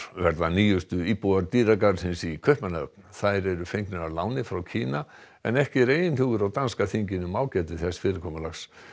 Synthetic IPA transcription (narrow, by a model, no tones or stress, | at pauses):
vɛɾðaniːjʏst̪ʏiːpuaɾt̪iːɾakaɾsɪnsikʰœhpmanaœ̰p̚nθaðɾɛɾʏfejɲknɪɾaɾlaːwnɪfɾawcʰiːna | ɛ̰nɛhcɪɾeːjɪnhʏɣʏɾawt̪anskaθiɲcɪnʏmaːwcɛːt̪ɪθɛsfɪːɾɪɾkʰɔmalaxs